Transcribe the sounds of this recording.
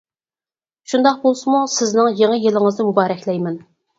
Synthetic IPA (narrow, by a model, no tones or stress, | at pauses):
ʃund̪ɑq̚bolˠsɨmusɪznɪŋjeŋəjilɪŋəznɪmubɑːɾɛkʲlɛjmɛn